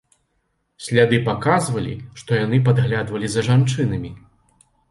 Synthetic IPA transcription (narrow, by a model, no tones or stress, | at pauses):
sʲlʲad̪ɨpakazvɐlʲḭʂt̪ɔjanɨp̬ad̪ɣlʲad̪vɐlʲizɐʐant͡ʂɨnɐmʲi